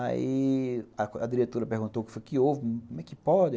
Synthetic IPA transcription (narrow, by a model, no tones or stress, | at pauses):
a̰iɐkɐd̪iɾet̪oɾɐpeɦɡũnt̪owkɪ̥fojkɪowvɪkõmɛkɪpɔd͡ʒɪ